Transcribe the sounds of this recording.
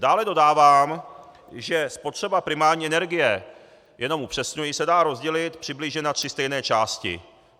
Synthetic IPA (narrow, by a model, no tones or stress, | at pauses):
d̥aːlɛdo̞daːvaːm | ʒɛspo̞t̪r̥ɛbapɾɪmaːɾɲiːʔɛnɛɾɡɪjɛ | jʔɛno̞mʔupr̥ɛsɲujisɛdaːɾo̞zɟɛlɪt̪pr̝̥ɪbliːʒɲɛnat̪r̝̥ɪst̪ɛjnɛːt͡ʃaːscɪ̰